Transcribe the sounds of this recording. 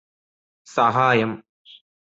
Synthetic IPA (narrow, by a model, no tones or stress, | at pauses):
sɐɦaːjɐm